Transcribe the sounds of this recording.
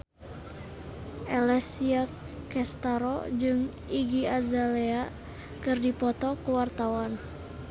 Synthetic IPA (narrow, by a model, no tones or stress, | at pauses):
ʔɛlɛsia | kɛst̪aɾɔ̰d͡ʒɨŋ | iɡiazalɛa | kɨrdipɔt̪ɔkuwart̪awan